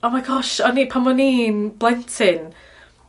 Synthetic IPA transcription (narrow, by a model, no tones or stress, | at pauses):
omajɡɔʃɔnipʰanmɔninb̥lˠɛntʰɪn